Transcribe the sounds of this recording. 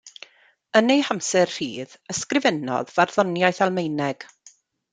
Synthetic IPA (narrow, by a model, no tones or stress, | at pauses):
ənejhamsɛrr̥ḭːðəskrɪvɛnɔ̰ðvarðɔnjajθalˠmejnɛɡ̥